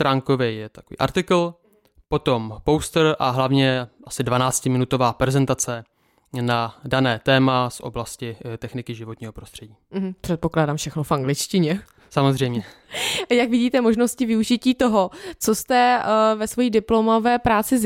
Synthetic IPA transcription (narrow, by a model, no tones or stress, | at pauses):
t̪ɾʔaːŋkovɛjɛt̪ḁkovḭːʔa̰ɾt̪ɪkl̩ | po̞t̪o̞mpowst̪ɾʔaɦlavɲɛʔasɪdvanaːt͡scɪmɪnut̪o̞vaːpɾɛzɛnt̪at͡sɛ | nadanɛːt̪ɛːmasʔo̰blascɪt̪ɛxnɪkɪʒɪvot̪ɲiːɦo̞pɾo̞st̪r̥ɛɟiːm̩ɦm̩pr̥ɛt̪po̞klaːdaːmfʃɛxnofʔaŋɡlɪt͡ʃcɪɲɛ | samozrɛjmɲɛjakvɪɟiːt̪ɛmo̞ʒnoscɪvɪuʒɪciːt̪o̞ɦot͡sost̪ɛvɛsvo̞jiːdɪplo̞movɛːpɾaːt͡sɪz